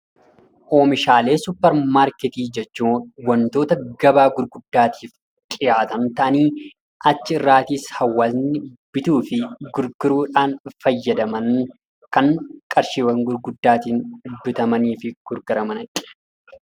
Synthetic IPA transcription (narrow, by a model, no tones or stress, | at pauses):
ʔoːmɪʃaːle̞ːsʊpːɐɾmaːɾkɛt̪iːd͡ʒɛt͡ʃːuːwɐnt̪o̞ːt̪ɐɡɐbaːɡʊɾɡʊd̪ːaːt̪ʰi̥ːf | kʼɪjaːt̪ɐnt̪ɐʔɐniː | ʔɐt͡ʃːɪɪrːaːt̪iːshɐwːɐznɪb̥ɪt̪uːfɪɡʊɾɡʊɾuːᶑaːnfɐjːɐd̪ɐmɐŋ | kɐŋkʼɐɾʃiːwɐŋɡʊɾɡʊd̪ːaːt̪iːŋdd̪ːʊt̪ɐmɐniːfɪɡ̥ʊɾɡɐɾɐmɐnɐkʼɪ